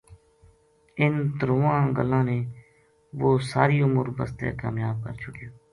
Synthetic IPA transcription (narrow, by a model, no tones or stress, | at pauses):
ɪnt̪əɾoːʋãːɡəlːãːneː | ʋoːsaːɾiːʊmʊɾbəst̪ḛːka̰ːmjaːb̚kəɾt͡ʃʊkijoː